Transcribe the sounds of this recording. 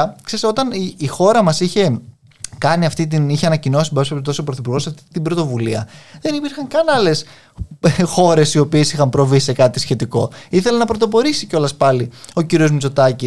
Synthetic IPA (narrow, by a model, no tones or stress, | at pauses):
kseɾist̪o̞t̪ɐniixo̞ɾɐmɐsiçe̞ | kɐniɐft̪it̪̬iniçeɐnɐcino̞sipɐset̪osopɾoθipuɾɣo̞sɐft̪it̪ibɾot̪o̞vuliɐðe̞nipiɾxɐŋkɐnɐle̞s | xo̞ɾe̞sio̞pie̞sixɐmpɾo̞visekɐt̪isçe̞t̪iko̞̰iθe̞lɐnɐpɾo̞t̪̬o̞p̬o̞ɾisiceo̞lɐspɐlio̞ciɾio̞zmit͡so̞t̪ɐci